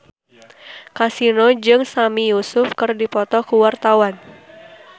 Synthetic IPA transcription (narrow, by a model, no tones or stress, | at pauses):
kasinod͡ʒɨŋsamijusʊfkɨrdipɔt̪ɔkuwart̪awan